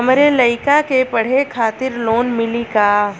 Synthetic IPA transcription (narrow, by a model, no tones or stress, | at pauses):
ɦɐmɾelɐɪkakepɐɽ̤ekʰaːt̪ɪɾloːnmɪlikaː